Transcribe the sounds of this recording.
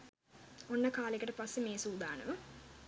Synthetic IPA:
onːəkaːlekɐʈɐpasːemeːsuːd̪ʱa̰ːɳə̰ʋə

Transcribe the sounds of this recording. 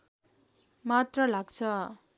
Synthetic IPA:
mat̪rʌlaɡt͡sʰʌ

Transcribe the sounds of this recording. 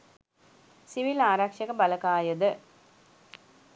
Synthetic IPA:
siʋilaːɾakʂɐkəbaləkaːjəd̪ə

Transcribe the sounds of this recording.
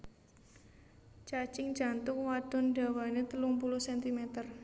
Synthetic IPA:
t͡ʃat͡ʃɪŋd͡ʒa̤nt̪ʊk̚wad̪̥ʊ̤nɖa̤wanet̪əluŋpulʊhsɛnt̪imɛt̪ər

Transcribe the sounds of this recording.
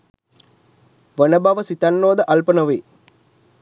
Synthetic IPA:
ʋənəbaʋəsit̪anːoːd̪əʔalpənəʋeː

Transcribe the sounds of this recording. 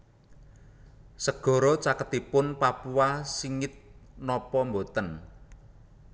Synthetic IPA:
səɡ̥ɔ̤ɾɔt͡ʃakət̪ipʊnpapuwasiŋɪt̪̚nɔpɔmbot̪ən

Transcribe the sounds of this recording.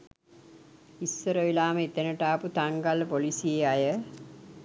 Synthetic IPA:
isːəɾəʋilaːməit̪enəʈaːput̪aŋɡalpolisieajə

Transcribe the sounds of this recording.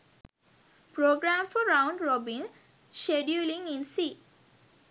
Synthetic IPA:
pɾoːɡɾãmfɔɾãʊ̃ɳɖɾɔbĩn | ʃeɖjulĩŋĩnsiː

